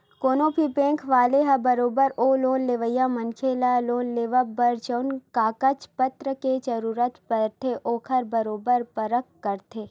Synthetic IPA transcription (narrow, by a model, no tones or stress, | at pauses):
koːnõpipẽːŋkʰʋaːleɦɐbɐɾoːbəɾoːloːnleʋəjamɐnkʰeːlaloːnleːʋəbɐɾt͡ʃəʊnkaːkət͡ʃpət̪ɾəked͡ʒɐɾuːɾət̪pəɾt̪ʰeʔoːkʰəɾbɐɾoːbəɾpɐɾəkːɐɾt̪ʰeː